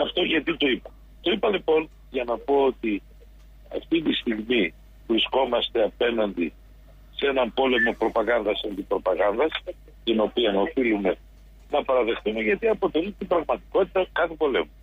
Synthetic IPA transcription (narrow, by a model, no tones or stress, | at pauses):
ɐft̪o̞ʝɐt̪it̪o̞ipɐ | t̪o̞ipɐlipo̞n | ʝɐnɐpo̞ot̪i | ɐ̰ft̪it̪ist̪iɣmi | vɾisko̞mɐst̪eɐpe̞nɐnd̪i | se̞nɐmpo̞le̞mo̞pɾo̞pɐɣɐnd̪ɐsɐnd̪ibɾo̞pɐɣɐnd̪ɐs | t̪ino̞piɐnɐofilume̞ | nɐpɐɾɐðe̞xθumeʝɐt̪iɐpo̞t̪e̞lit̪ibɾɐɣmɐt̪i̥ko̞t̪i̥t̪ɐkɐt̪ibo̞le̞̰mu